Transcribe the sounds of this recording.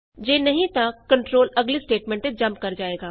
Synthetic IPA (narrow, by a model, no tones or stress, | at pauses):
d͡ʒeːnɐɦĩt̪akkːɐ̃ɳʈɾoːlɐɡlisʈeːʈmɛ̃ɳʈẽd͡ʒɐ̃mpkɐɾd͡ʒaːeːɡaː